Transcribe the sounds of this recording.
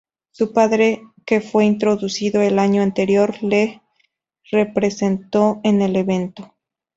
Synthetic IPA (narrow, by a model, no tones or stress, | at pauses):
supaðɾe̞ke̞fwe̞int̪̬ɾo̞ðusiðo̞elaɲoant̪e̞ɾjo̞ɾle̞ | re̞pɾe̞se̞nt̪o̞ene̞le̞βe̞nt̪o̞